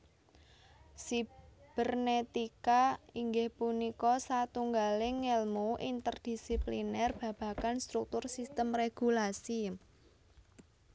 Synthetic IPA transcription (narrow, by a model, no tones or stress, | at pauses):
sib̥ɛrnet̪ikaiŋɡɪhpunikɔsat̪uŋɡalɪŋelmuʔint̪ərd̥i̤siplinɛrb̥ä̤b̥a̤kanst̪ɾuk̚t̪ʊrsist̪əmreɡ̥ulasi